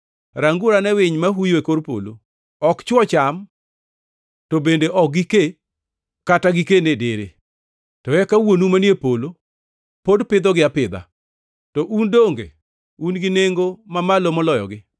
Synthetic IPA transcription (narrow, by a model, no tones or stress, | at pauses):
ɾaŋɡuɾanɛwɪɲmaɦujoekoɾpo̰lo̰ | ɔkt͡ʃwɔt͡ʃam | tobendeʔɔk̚ɡike | kataɡɪkenedeɾḛ | tɔjɛkawonumanjepolo | podpɪd̪ɔɡɪapɪd̪a̰ | tɔʔundoŋɡḛ | unɡɪneŋɡomamalomɔlɔjɔ̰ɡɪ